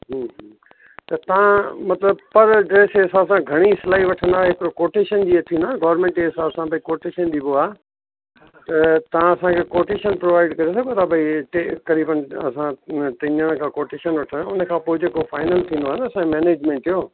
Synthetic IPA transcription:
ɦɦ | t̪ɐt̪ɐʋãmɐt̪ləbpɐɾɖɾeːseːsãːbsãɡʱɐɽ̃iɪsɪlaːiʋɐʈʰə̃nd̪aːɦɪkɪɾokoːʈeːʃənd͡ʑiet̪ʰĩːnd̪aːnɡɐːəɾmẽːɳʈkeːsaːbsãbʱɐikoːʈeːʃənd͡ʑiboaː | t̪ɐt̪ɐʋãɐsãkʰeːkoːʈeːʃənpɾoːʋaːɪɖkɐɾesɐɡʱot̪ʰabʱɐiʈekɐɾiːbənɐ̰sãt̪ɪɲəɽ̃kʰãːkoːʈeːʃənʋɐʈʰə̃nd̪aʊnəkʰãːpoːɪd͡ʑeːkofʰaːɪnəlt̪ʰĩːnd̪oaɦnɐɐsãkʰemeːneːd͡ʑmẽːɳʈjoː

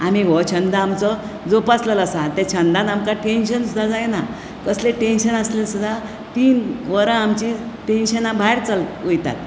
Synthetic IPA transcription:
amiʋɔt͡ɕʰənd̪aːmt͡sɔ | d͡zopasləlasãt̪ẽt͡ɕʰə̃nd̪ãnamkaʈenɕənsud̪ʱad͡zajena | kəsleʈẽnɕənaslelsud̪ʱa | t̪iːnʋəɾə̃amt͡ɕiʈẽnɕənabʱajɾt͡salojt̪a̰t̪̚

